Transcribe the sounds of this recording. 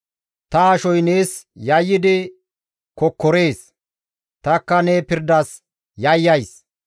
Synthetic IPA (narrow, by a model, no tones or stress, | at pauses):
t̪ɐɐʃɔjne̞ːsjɐjːɪd̪ɪ | kɔkːɔɾe̞ːs | t̪ɐkːɐneːpɪɾd̪ɐs | jɐjːɐjs